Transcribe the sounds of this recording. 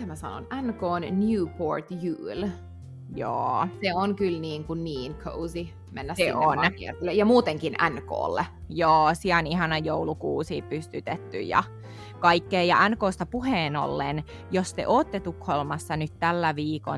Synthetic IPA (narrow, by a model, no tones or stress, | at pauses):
æmæsɑ̰no̰nænkoːnnjuːpoɹt̪jʉːl | jo̰ːseonkylniːŋkunniːnkʰo̰uzi | mḛnːæseoniɛrelːejɑmuːt̪eŋkinʔæ̰nko̰ːlːḛjoːsiæonihɑnɑjoulukuːsiːpyst̪yt̪et̪ːy̰jjɑ̰ | kɑikːeːjɑʔænkoːst̪ɑpuheːno̰lːen | jost̪ḛʔoːt̪ːet̪ukholmɑsːɑnyt̪t̪ælːæʋiːko̰